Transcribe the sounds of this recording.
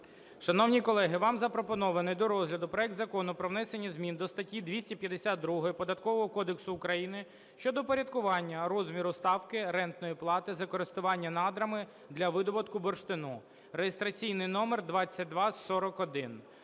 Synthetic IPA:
ʃɐnɔwnʲikɔlˠɛɦɪʋɑmzɐpɾɔpɔnɔʋɐnɪjd̪ɔɾɔzɦlʲɐd̪ʊpɾɔɛk̚d̪zɐkɔnʊpɾɔʋnɛsenʲːɐzmʲind̪ɔst̪ɐtʲːid̪ʋʲisʲtʲipʲjɐd̪esʲat̪̚d̪ɾuɦɔjipɔd̪ɐt̪kɔʋɔɦɔkɔd̪eksʊːkɾɐjinɪ | ʃt͡ʃɔd̪ɔpɔɾʲɐd̪kʊʋɑnʲːɐɾɔzmʲiɾʊst̪ɑwkɪɾɛnt̪nɔjiplˠɑt̪ɪzɐkɔɾɪst̪ʊʋɑnʲːɐnɑd̪ɾɐmɪ | d̪lʲɐʋɪd̪ɔbɔt̪kʊbɔrʃt̪ɪnu | ɾejest̪ɾɐt͡sʲijnɪjnɔmerd̪ʋɑt͡sʲːɐt̚ʲd̪ʋɑsɔɾɔkɔd̪ɪn

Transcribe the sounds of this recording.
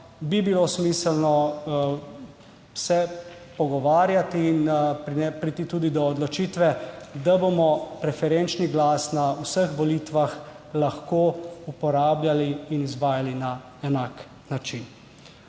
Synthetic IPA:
bibilosmiːsəlnɔ | sɛ | pɔɡɔʋaːɾjat̪iːnpɾiɛpɾit̪it̪uːd̪id̪ɔːd̪lɔt͡ʃiːt̪ʋɛd̪abomɔpɾɛfɛɾent͡ʃniɡlaːsnausəxʋɔlit̪ʋax | laxkoːupɔɾaːbljaliːnizʋaːjalina | ɛnaːk | nat͡ʃin

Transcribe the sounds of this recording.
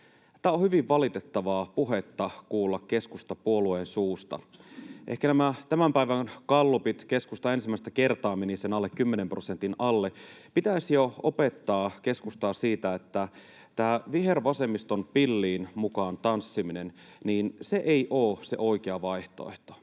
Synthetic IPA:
t̪æːohyʋiʋʋɑlit̪et̪ːɑʋɑːpuɦet̪ːɑkuːlːɑkke̞skust̪ɑpuolueːnsuːst̪ɑ̰ʔehkænæmæt̪æmæmpæiʋæŋkɑlːupit̪ke̞skust̪ɑe̞nsimːˑæˑist̪æke̞rt̪ɑːmenisenɑlːekkymːenempro̞sent̪inɑlːepit̪æsjoopet̪ːɑːkeskust̪ɑːsiːt̪æet̪ːæ | t̪æːʋiɦerʋɑse̞mist̪onpilːiːnmukɑːnt̪ɑnsːiminenniːnseʔeiʔoːsḛʔo̞ik̟eɑʋɑiht̪o̰eht̪o̥

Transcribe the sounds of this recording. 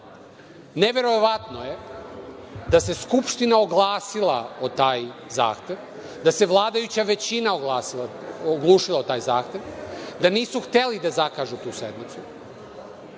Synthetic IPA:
neʋe̞ɾoʋat̪no̞je̞ | d̪ase̞skupʃt̪inaoɡlˠaːsilˠaot̪aːjza̰ːxt̪e̞ʋ | d̪ase̞ʋlˠaːd̪ajut͡ɕaʋe̞t͡ɕinaoɡlaːsilaoɡlˠuːʃilˠaot̪aːjzaːxt̪e̞ʋd̪aniːsuxt̪elid̪azakaːʒut̪uːsed̪nit̪su

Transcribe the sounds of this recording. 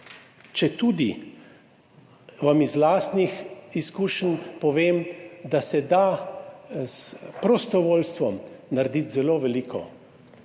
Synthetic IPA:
t͡ʃɛt̪uːd̪i | ʋamizlaːst̪nixiskuːʃnpɔʋeːmd̪asɛd̪a | spɾɔst̪ɔʋoːlst̪ʋɔmnaɾd̪it̪zɛloːʋɛliːkʰɔ̰

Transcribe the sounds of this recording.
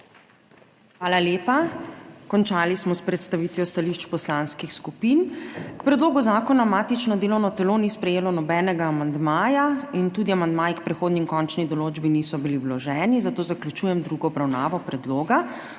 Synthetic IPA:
xʋaːlaleːpakɔnt͡ʃaːlismɔspɾɛt̪st̪aʋiːt̪ʋjɔst̪aliʃt͡ʃpɔslaːnskixskupinkpɾɛd̪loːɡuzaːkɔnamaːt̪it͡ʃnɔd̪eːlɔwnɔt̪ɛloːnispɾɛjeːlɔnɔbɛːnɛɡaːmand̪maːjaint̪ud̪iamand̪maːjikpɾɛxoːd̪niŋkɔnt͡ʃnid̪ɔloːd͡ʒbinisɔbiliwlɔʒɛːnizat̪oːzaklʲut͡ʃuːjɛmd̪ɾuɡɔːbɾawnaːʋɔpɾɛd̪loːɡa

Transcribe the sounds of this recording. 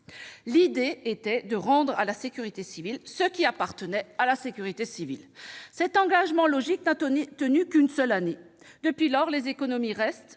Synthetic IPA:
lid̪eːt̪ɛd̪əʁɑ̃d̪ʁalasekʲyʁit̪esivilsəkʲiapaʁt̪ənɛalasekʲyʁit̪esivḭlsɛt̪ɑ̃ɡaʒmɑ̃lɔʒik̚nat̪ənykynsœlane | d̪əpɥilɔʁlezekɔnɔmiʁɛst̪

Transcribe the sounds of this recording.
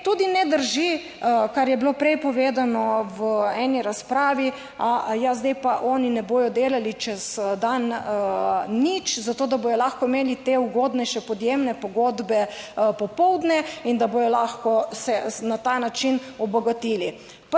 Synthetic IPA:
t̪uːd̪inɛd̪əɾʒi | kaɾjɛbilopɾɛjpɔʋeːd̪anɔʋəɛːniɾaspɾaːʋi | ajazd̪ɛjpaʔɔːninɛboːjɔd̪eːlalit͡ʃɛz̥d̪an | it͡ʃzat̪oːd̪aboːjɔlaxkɔimeːlit̪euɡoːd̪nɛʃɛpɔd̪jemnɛpɔɡoːd̪bɛpɔpɔwd̪nɛind̪aboːjɔlaxkɔsɛnat̪anat͡ʃinɔbɔɡat̪iːli | p

